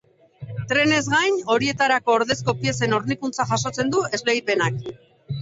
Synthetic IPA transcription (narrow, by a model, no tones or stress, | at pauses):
t̪ɾe̞ne̞zɣajno̞ɾie̞t̪aɾako̞ːɾðe̞sko̞pie̞se̞no̞ɾnikunt͡saʝaso̞t͡se̞nd̪ue̞zleɣjipe̞nak